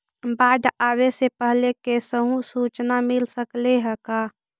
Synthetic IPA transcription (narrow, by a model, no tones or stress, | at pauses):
baːɖ̪ʱaːwesepəɦlekesəɦũsuːt͡ʃnamɪlsəkleɦəkaː